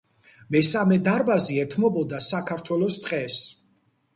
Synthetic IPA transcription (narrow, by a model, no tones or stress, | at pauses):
mɛsamɛd̪aɾbaziɛt̪ʰmɔbɔd̪asakʰaɾt̪ʰwɛlɔst̪ʼqʼɛs